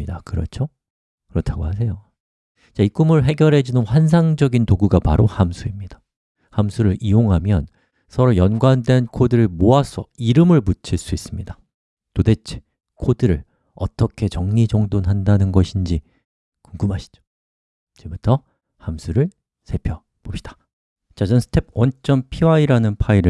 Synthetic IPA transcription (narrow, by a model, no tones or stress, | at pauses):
idakɯɾʌ̰t͡ɕʰo | kɯɾʌtʰaɡoɦas̬ʰe̞jo | t͡ɕaik͈umɯɭɦe̞ɡjʌɾɦe̞d͡ʑunɯnɸwans̬ʰaŋd͡ʑʌɡintoɡuɡapaɾohamsʰuimɲid̥ḁ | hamsʰuɾɯɾioŋɦamjʌn | sʰʌɾojʌnɡwandwe̞nkʰodɯɾɯɭmoasʰʌiɾɯmɯɭput͡ɕʰiɭs͈uis͈ɯmɲida | tode̞t͡ɕʰe̥ | kʰodɯɾɯɭ | ʌt͈ʌkʰe̞t͡ɕʌŋɲid͡ʑʌŋdonɦandanɯnɡʌɕʰind͡ʑi | kuŋɡɯmɦaɕʰi̥d͡ʑo̥ | t͡ɕebutʰʌ | hamsʰuɾɯɭ | sʰe̞pʰjʌ | b̥opɕ͈i̥d̥ḁ | t͡ɕad͡ʑʌnsʰɯ̥tʰe̞p̚ʰwʌnt͡ɕ͈ʌmpʰiwaiɾanɯnpʰaiɾɯ